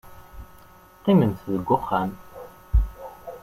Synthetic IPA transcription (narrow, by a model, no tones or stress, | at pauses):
qːimənθðəɡʷːʊχːam